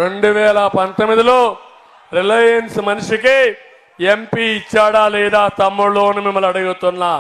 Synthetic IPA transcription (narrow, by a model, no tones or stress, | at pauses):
ɾe̞ɳɖuʋɛːlɐpɐnt̪omːid̪iloː | ɾilejɐnsmɐnuʂiki | empiːt͡ʃːaːɽaːlɛːd̪aːt̪ɐmːuɭoːnumimːɐlɐɽuɡut̪unːaː